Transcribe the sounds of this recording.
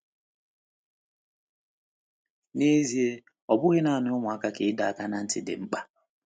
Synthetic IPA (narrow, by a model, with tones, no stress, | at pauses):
ne˦zi˦e˦ | ɔ˨bʊ˦ɣɪ˦na˦˨a˨nʊ˦ʊ˦ŋʷʊ˨a˦ka˦ke˨ɪ˦da˨a˨ka˦na˦n̩˦tɪ˨dɪ̰˨ŋ͡m̩˦k͡pa˦